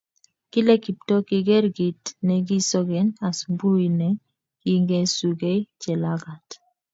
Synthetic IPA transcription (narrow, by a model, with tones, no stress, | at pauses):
ki˦lɛ˦ki˨p̚tɔ˦ki˨ɡɛ˦ɾɡi˨tnɛ˨ɡi˦sɔ˦ɡɛ˨na˨smbu˦i˨nɛ˨ | ki˦ŋɡɛ˦su˨ɡe˦i˦t͡ʃɛ˨la˦ɡa˨t